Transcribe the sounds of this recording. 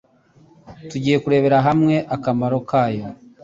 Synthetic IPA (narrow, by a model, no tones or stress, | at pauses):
tuɟiːje̞kuɾe̞βe̞ɾaɦamŋe̞ʔakamaɾo̞kaːjo̞